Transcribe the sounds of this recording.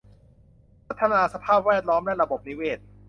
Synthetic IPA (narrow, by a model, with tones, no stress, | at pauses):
pʰɾa˦˥t̪ʰːa˧naː˧sa˧pʰaː˥˩p̚wɛː˥˩t̪̚lɔː˦˥mlɛ˦˥ɾa˧bo˨˩p̚ni˦weː˥˩t̪̚